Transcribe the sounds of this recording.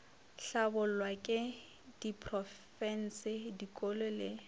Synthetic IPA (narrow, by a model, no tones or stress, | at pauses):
ɬabʊl̩wakʼɪ | d̥ipʰʼrɔfɛn̩sɪdikʼolɔlɪ